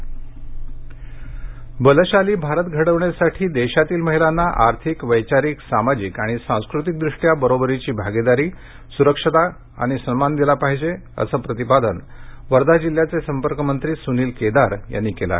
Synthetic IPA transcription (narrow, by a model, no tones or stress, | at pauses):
bələɕaliːbʱaɾət̪ɡʱəɽəʋɳjasaʈʰiːd̪eɕat̪iːlməɦilanːaʔaɾt̪ʰikʋəjt͡ɕaɾiːksamad͡ʑikaɽ̃isãw̃skɾut̪ik̚d̪ɾuʂʈjabəɾobəɾit͡ɕiːbʱaɡed̪aɾiː | suɾəkʂət̪a | a̰ɽ̃isənmand̪ilapaɦid͡ʑe | ə̰səːpɾət̪ipad̪ənʋəɾd̪ad͡ʑil̤jat͡sesəmpəɾkəmənt̪ɾiːsuniːlked̪aɾja̰nːikela̰